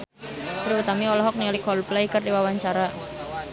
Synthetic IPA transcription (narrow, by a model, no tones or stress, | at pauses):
t̪ɾiut̪amiɔlɔɦɔk̚nialikʰɔlplaikərdiwawaɲt͡ʃaɾa